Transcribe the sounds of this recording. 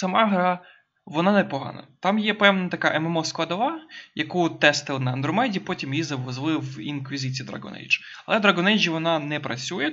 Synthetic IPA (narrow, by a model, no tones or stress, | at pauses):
sɐmɑɦɾɑ | ʋɔnɑnɛpɔɦɑ̰nɐ̰t̪ɑmjɛpɛwnɐt̪ɐkɑʔɛmɛmɔsklˠɐd̪ɔʋɑjɐkut̪ɛst̪ɪlˠɪnɐɐnd̪ɾɔmɛdʲipɔtʲimjizɐʋɔzlˠɪwḭnkʋʲizɪt͡sʲiid̪ɾɐ̰ɡɔ̰nɛ̰jd͡ʒ | ɐlˠɛd̪ɾɐɡɔnɛjd͡ʒiʋɔnɑnɛpɾɐt͡sʲujɛ